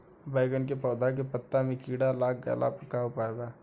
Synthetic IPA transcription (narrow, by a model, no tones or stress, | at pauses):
baːɪɡənkepɔːd̪ak̬epət̪ːamẽkiːɽalaːk̚ɡa̰lʔa̰pəkaʊpaːeɡaː